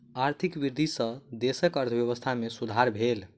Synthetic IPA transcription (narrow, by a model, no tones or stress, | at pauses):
aɾt̪ʰikbiɾd̪ʱisə̃d̪esəkəɾt̪ʰəbjeβəst̪ʰamesud̪ʱaɾbʱel